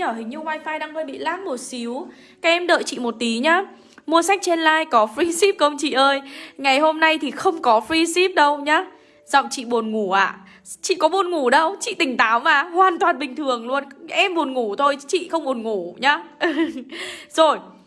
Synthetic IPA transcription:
ɲəː˧˩ɦï˨˩ŋ̟ɲɨ˧waː˧jfaː˧jɗaː˧ŋfaː˧jɓḭ˧˨laː˦˥t̚mo˨˩t̚si˨˦w | kaː˦˥kʔɛ˧mɗə̰ː˧˨jt͡ɕḭ˧˨mo˨˩t̚t̪i˨˦ɲaː˨˦˥ | mu˧əsa˦˥k̚t͡ɕe˧nlaː˧jkɔ˨˦fɹi˧si˦˥p̚kə˧wŋ͡mt͡ɕḭ˧˨ʔəː˧jŋa˨˩jɦo˧mna˧jt̪ʰi˨˩xə˧wŋ͡mkɔ˨˦fɹi˧si˦˥p̚ɗə˧wɲaː˨˧˦ | z̥ɔ̰˧˨ŋ͡mt͡ɕḭ˧˨ɓo˨˩nŋu˧˩ʔa̰ː˧˨ | t͡ɕḭ˧˨kɔ˨˦ɓu˨˧˩nŋu˧˩ɗə˧wt͡ɕḭ˧˨t̪ï˨˩ŋ̟t̪aː˨˦wmaː˨˩hwaː˨˩nt̪waː˨˩nɓï˨˩ŋ̟t̪ʰɨ˨˩əŋlu˧ənʔɛ˧mɓu˨˩ənŋu˧˩t̪ʰo˧jt͡ɕḭ˧˨xə˧wŋ͡mɓo˨˩ənŋu˧˩ɲaː˨˦ | zo˨˩j

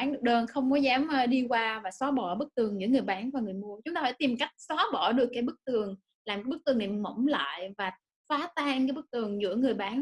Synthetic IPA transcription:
aː˨˦nɗɨ˨˩ək̚ɗəː˧nxə˧wŋ͡mkɔ˨˦zaː˨˦mː˧ɗi˧kwaː˧vaː˨˩sɔ˨˦ɓɔ˧˩ɓɨ˦˥k̚t̪ɨ˨˩əŋzɨ̰˧˥əŋɨ˨˩əjɓaː˨˦nvaː˨˩ŋɨ˨˩əjmu˧ət͡ɕʊ˨˦ŋ͡mt̪aː˧˩faː˧˥˩t̪i˨˩mka˦˥jk̟̚sɔ˨˦ɓɔ˧˩ɗɨ˨˩əkːaː˨˦jɓɨ˦˥k̚t̪ɨ˨˩əŋ | laː˨˩mkaː˨˦ɓɨ˦˥k̚t̪ʰɨ˨˩nɗɛ̰˧˨mmə̰˧˩wŋ͡mla̰ː˧˨jvaː˨˩ | faː˨˦t̪aː˧ŋkaː˨˦jɓɨ˦˥k̚t̪ɨ˨˩əŋzɨ̰˧˥əŋɨ˨˩əjɓaː˨˦n

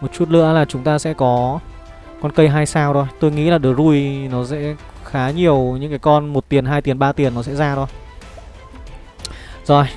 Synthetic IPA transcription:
mo˨˩t̚t͡ɕu˦˥t̚lɨ̰˧˨əlaː˨˩t͡ɕʊ˨˦ŋ͡mt̪aː˧sɛ̰˧˥kɔ˨˦ | kɔ˧nkə˧jɦaː˧jsaː˧wt̪o˧jt̪o˧jŋḭ˧˥laː˨˩ɗɨ˨˩ək̚zu˧jnɔ˨˦sɛ̰˧˥ | xaː˨˦ɲi˨˩əwɲɨ̰˧˥ŋkaː˨˦jkɔ˧nmo˨˩t̚t̪i˨˩ənɦaː˧jt̪i˨˩ənɓaː˧t̪i˨˩ənːɔ˨˦sɛ̰˧˥zaː˧t̪ʰo˧j | zɔ˨˩j

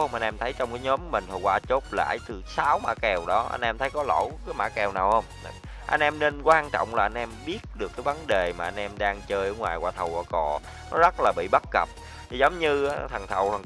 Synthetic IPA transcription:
hə˧mʔa˧nʔɛ˧mt̪ʰə˨˦jt͡ɕɔ˧wŋ͡mkaː˨˦jɲɔ˨˦m˧mï˨˩ŋ̟t̪ʰə˨˩kwaː˧˩t͡ɕo˦˥p̚la̰ː˧˨jt̪ɨ˨˩saː˨˦wma̰ː˧˥kɛ˨˩wɗɔ˨˦ʔa̰˧nʔɛ˧mt̪ʰə˨˦jkɔ˨˦lo̰˧˥kːjma̰ː˧˥kɛ˨˩wnaː˨˩whə˧wŋ͡m | ʔa̰˧jn̟ʔɛ˧mne˧nkwaː˧nt͡ɕɔ̰˧˨wŋ͡mlaː˨˩ʔa˧nʔɛ˧mɓi˦˥ət̚ɗɨ˨˩əkːaː˨˦jvə˨˦nɗe˨˩maː˨˩ʔa˧n̟ʔɛ˧mɗaː˧ŋt͡ɕəː˧jʔəː˧˦ŋwaː˨˩jkwaː˧˩t̪ʰə˨˩waː˧˩kɔ˨˩ | nɔ˨˦zə˦˥t̚laː˨˩ɓḭ˧˨ɓə˦˥t̚kə˨˩p̚ | t̪ʰi˨˩zə˨˦wŋ͡mɲɨ˧˦t̪ʰə˨˩ŋt̪ʰə˨˩wt̪ʰə˨˩

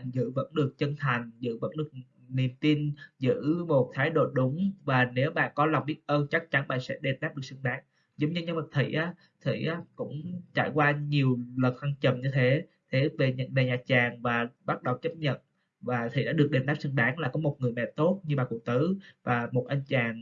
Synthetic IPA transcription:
zɨ̰˧˥və̰˧˥nɗɨ˨˩ək̚t͡ɕə˧nt̪ʰa˨˩jŋ̟zɨ̰˧˥və̰˧˥nɗɨ˨˩ək̚ | ni˨˩əmt̪i˧nzɨ̰˧˥mo˨˩t̚t̪ʰaː˨˦jɗo̰˧˨ɗʊ˨˦ŋ͡mvaː˨˩ne˨˦wɓa̰ː˧˨nkɔ˨˦la˨˩wŋ͡mɓi˦˥ət̚ʔəː˧nt͡ɕa˦˥k̚t͡ɕa˨˦nɓa̰ː˧˨nsɛ̰˧˥ɗe˨˩nɗaː˦˥p̚ɗɨ˨˩ək̚sɨ˧ŋɗaː˨˦ŋ | zə˨˦ŋ͡mɲɨ˧ɲə˧˦ma˨˩t̪ʰḭ˧˨ʔaː˨˦ | t̪ʰḭ˧˨ʔaː˨˦kʊ̰˧˥ŋ͡mt͡ɕa̰ː˧˩˨jkwaː˧ɲi˨˩əwlə˨˩nhwa˧ŋt͡ɕə˨˩mɲɨ˧t̪ʰe˨˦ | t̪ʰe˨˦ve˨˩ɲə̰˧˨nve˨˩ɲaː˨˩t͡ɕaː˨˩ŋvaː˨˩ɓa˦˥t̚ɗə˨˩wt͡ɕə˦˥p̚ɲə̰˧˨n | vaː˨˩t̪ʰḭ˨˧˨ɗa̰ː˧˥ɗɨ˨˩ək̚ɗe˨˩nɗaː˦˥p̚sɨ˧ŋɗaː˨˦ŋlaː˨˩kɔ˨˦mo˨˩t̚ŋɨ˨˩jmɛ̰˧˨t̪o˦˥t̚ɲɨ˧ɓaː˧˨˩ku˧˩ək̚t̪ɨ˨˦vaː˨˩mo˨˩t̚ʔa˧jnt͡ɕaː˨˩ŋ

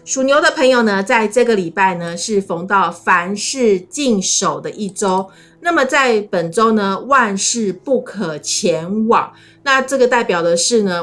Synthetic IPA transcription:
ʂu˨˩njo˧˥ʊd̪ə˧pʰə˧˥ŋjo˨ʊnə˦t͡sa˥˧ɪʈ͡ʂɤ˥˩ɡə˨˩li˨˩pa˥˩ɪnə˩ʂɻ̩˥˩fo˧˥ŋt̪ɑ˥˨˩ʊfa˧˥nʂɻ̩˥˧t͡ɕi˥˧ŋʂo˨˩ʊd̪ə˦ʔi˥˩ʈ͡ʂo˥ʊ | na˥˩mə˨˩t͡sa˥˩ɪpə˨˩nʈ͡ʂo˥ʊnə˧wa˥˧nʂɻ̩˥˧pu˥˩kʰə˨˩t͡ɕʰjɛ˨˧˥nwɑ̰˨˩ŋ | na˥˧ʈ͡ʂɤ˥˩ɡə˩t̪a˥˩ɪpjɑ˨˩ʊd̪ə˦ʂɻ̩˥˩nə˩

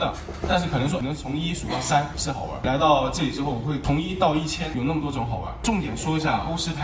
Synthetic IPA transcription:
d̪ə˨ | t̪a˥˧nʂ̬ɻ̩˥kʰɤ˨˩nɤ˧˥ŋʂwɔ˥˩nɤ˧˥ŋt͡sʰʊ˧˥ŋi˥ʂu˨˩t̪ɑ˥˩ʊsa˥n˧ʂɻ̩˥˩xɑ̰˨˩˦ə̰˧˥la˧˥ɪt̪ɑ˥˧ʊʈ͡ʂɤ˥˩li˨˩ʈ͡ʂɻ̩˥xo˥˩ʊwɔ˨˩xwe˥˩ɪt̪ʰʊ˧˥ŋi˥t̪ɑ˥˧ʊi˥˩t͡ɕʰjɛ˥njo˨˩ʊna˥˩mə˩t̪wɔ˥ʈ͡ʂʊ˧˥ŋxɑ˨˩ʊə̰˧˥ʈ͡ʂʊ˥˩ŋt̪jɛ˨˩nʂwɔ˥i˧˥ɕja˥˩ʔo˥ʊʂɻ̩˥t̪ʰ

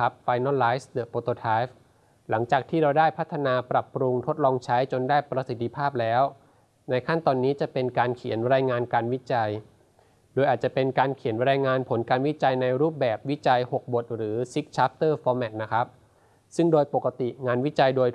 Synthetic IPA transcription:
a˦˥p̚faː˧jnɔ˥˩nlaː˦˥jsdɤ˨˩poː˧t̪oː˧t̪ʰaː˦˥jf | la˩˦ŋt͡ɕaː˨˩k̚t̪ʰiː˥˩ɾa˧wdaː˥˩jpʰa˦˥t̪ʰːa˧naː˧pɾa˨˩pːɾu˧ŋt̪ʰo˦˥t̪̚lɔː˧ŋt͡ɕʰa˦˥jt͡ɕo˧ndaː˥˩jpɾa˧si˨˩t̪ʰːi˧pʰaː˥˩p̚lɛː˦˥w | na˧jkʰa˥˩nt̪ɔː˧nːiː˦˥t͡ɕa˨˩pe˧nkaː˧nkʰi˨˩˦nɾaː˧jŋaː˧nkaː˧nwi˦˥t͡ɕa˧j | doː˧jʔaː˨˩t̪̚t͡ɕa˨˩pe˧nkaː˧nkʰi˩˦nɾɛː˧jŋaː˧npʰo˩˦nkaː˧nwi˦˥t͡ɕa˧jna˧jɾuː˥˩p̚bɛː˨˩p̚wi˦˥t͡ɕa˧jho˨˩k̚bo˨˩t̪̚ɾɯː˩˦si˦˥k̚t͡ɕʰaː˦˥p̚t̪ɤː˥˩fɔː˧mɛ˨˩t̪̚na˦˥kʰa˦˥p̚ | sɯ˥˩ŋdoː˧jpo˨˩kːa˧t̪i˨˩ŋaː˧nwi˦˥t͡ɕa˧jdoː˧j

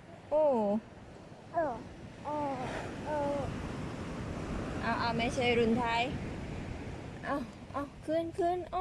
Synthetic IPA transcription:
ʔoː˧˩ | ʔɤː˧˩ʔɤː˧˩ʔɤː˧˩ | ʔaː˧˩wʔaː˧˩ma˥˩jt͡ɕʰa˦˥˩jɾu˧˩nt̪ʰaː˧˥˩j | ʔa˧˩ | ʔaː˧˩kʰɯ˧˥˩nkʰɯ˧˥˩nʔɔ˧˩

